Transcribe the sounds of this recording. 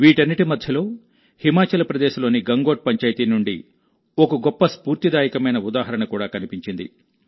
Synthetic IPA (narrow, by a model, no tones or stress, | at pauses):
ʋiːʈɐnːiʈimɐd̪ʱjɐlo̞ː | himaːt͡ʃɐlɐpɾɐd̪ɛːʃɐlo̞ːniɡɐŋɡo̞ːʈ̚pɐɲt͡ʃaːjt̪iːnuɳɖḭ | okɐɡɔpːɐspuːɾt̪id̪aːjikɐmɐjnɐud̪aːɦɐɾɐɳɐkuːɽaːkɐnipiɲt͡ʃind̪ḭ